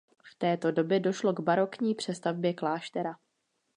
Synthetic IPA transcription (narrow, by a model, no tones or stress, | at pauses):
ft̪ɛːt̪o̞do̞bjɛdo̞ʃlo̞ɡbaɾo̞kɲiːpr̥ɛst̪avbjɛklaːʃt̪ɛɾa